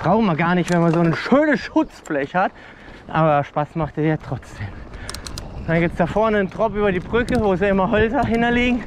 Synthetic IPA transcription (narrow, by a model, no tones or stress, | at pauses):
b̥ʁaʊχn̩miɐɡaːɐnɪçtv̥ɛnmazoːənʃøːnəsʃʊt͡sflɛçhat | ʔa̰ːbɐʃpasmaχtejatʁ̥ɔt͡sd̥eːm | d̥anɡiːp̚t͡sd̥aːfɔɐnəntʁ̥ɔpʔyːbɐdiːbʁʏkəvoːziɪmɐɦɔlzɐɦɪntɐliːɡŋ̩